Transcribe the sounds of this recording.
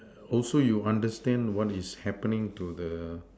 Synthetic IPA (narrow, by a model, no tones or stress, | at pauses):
ɔlsojuãndəstɛ̃ndwɔtishɛpənĩŋtudə